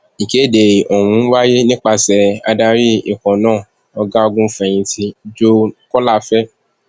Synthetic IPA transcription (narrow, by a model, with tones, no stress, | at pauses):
i˨ke˨˦˨de˨o˨wũ˨˦wa˦je˦nĩ˦k͡pa˧sɛ˧a˧da˧ɾi˦i˨kɔ̃˨nãː˦˨ | ɔ˧ɡa˦o˧ɡũ˦fɛ˨j̃ĩ˧tʰi˧d͡ʒo˦kɔ˦la˦˨fɛ˦